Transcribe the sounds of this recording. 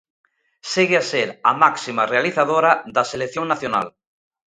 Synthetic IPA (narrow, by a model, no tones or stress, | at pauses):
seɣeaseɾamaksimarealiθaðoɾaðaselekθjoŋnaθjona̰l